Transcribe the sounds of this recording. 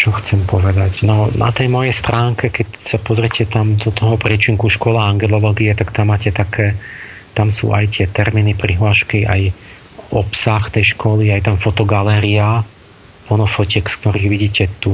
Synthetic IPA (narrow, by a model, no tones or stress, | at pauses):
t͡ʃɔxt͡sɛmpɔʋɛd̪acnɔnʔa̰t̪ɛjmɔjɛjst̪ɾʔaːŋkɛkɛcsapɔzɾɛcʰɛt̪amd̪ɔt̪ɔɦɔpɾɪɛt͡ʃiŋkuʃkɔlaaŋɡɛlɔlɔɡiɛt̪akt̪amːaːcɛt̪akʰɛː | t̪amsṵːʔa̰jt̪ɪɛt̪ɛɾmiːnipɾiɦlaʃkiʔa̰j | ɔpsaxt̪ɛjʃkɔliajt̪amfɔt̪ɔɡalɛːɾia | pɔnɔfɔcɛksk̚t̪ɔɾiːɣʋiɟiːcɛt̪u